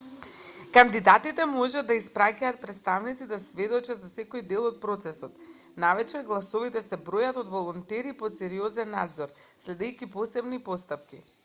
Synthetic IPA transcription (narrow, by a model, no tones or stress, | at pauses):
kand̪id̪at̪it̪ɛmoʒad̪d̪ːaispɾacaːt̪̚pɾɛt̪st̪avnit̪sid̪asvɛd̪ot͡ʃad̪zasɛkojd̪elˠot̪̚pɾot̪sɛsɔt̪ | navɛt͡ʃɛɡlˠasovit̪ɛsɛbɾojat̪od̪volˠɔnt̪ɛɾipot̪sɛɾiozɛnːa̰d̪zoɾ | slɛd̪ɛjciposɛbnipost̪ap̚ki